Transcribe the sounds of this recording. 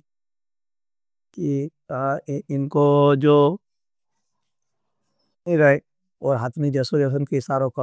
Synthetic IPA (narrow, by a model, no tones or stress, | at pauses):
ki | ãɪnkod͡ʒoː | iɾɐe | ɔːɾɦaːt̪mid͡ʒɐsuɾesənkesaːɾõkɐ